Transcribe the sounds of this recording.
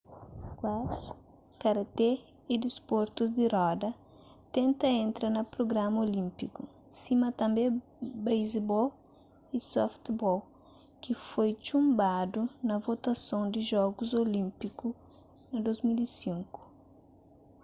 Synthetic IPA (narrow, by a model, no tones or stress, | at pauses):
kwaʃ | kɐɾɐt̪e | id̪ispoɾt̪uzd̪iɾɔd̪ɐ | t̪ẽnt̪ɐẽnt̪ɾɐnɐpɾoɡɾamɐolĩmpiku | simɐt̪ɐ̃mbebejzebɔl | isɔft̪bɔl | kifojt͡ʃũmbad̪unɐvot̪ɐsõnd̪ɪʒɔɡuzolĩmpiku | nɐd̪ozmilisĩŋku̥